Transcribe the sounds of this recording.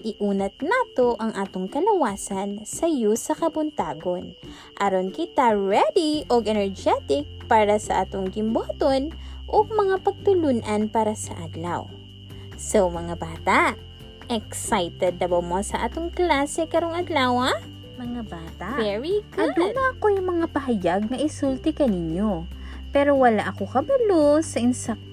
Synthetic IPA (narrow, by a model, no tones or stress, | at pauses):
ʔɪʔuːnɐt̪̚naːt̪o̞ʔɐŋʔaːt̪oŋkɐlɐwaːsɐnsɐjusɐkɐbʊnt̪aːɡo̞n | ʔɐɾonkɪt̪aɹɛd̪iʔoɡʔɛnɛɹd͡ʒɛt̪ɪk̚paːɾɐsɐʔa̰ːt̪oŋɡɪmbaːt̪o̞nʔomɐŋapɐɡ̚t̪ʊlunʔɐnpaːɾɐsɐ̰ʔad̪lɐ̰w | sowmɐŋabaːt̪aʔ | ʔɛksajt̪ɛd̪̚lɐbawmosɐʔa̰ːt̪oŋklaːsɛkɐɾoŋɐd̪lawa | mɐŋabaːt̪avɛɹikɐd̪uːmɐʔɐko̞jʊŋmɐŋapɐɦɐjaɡ̚nɐʔɪsult̪ɪkɐnɪɲjo̞ | pɛːɾo̞wɐlaʔɐko̞kɐbɐlosɐʔɪnsɐ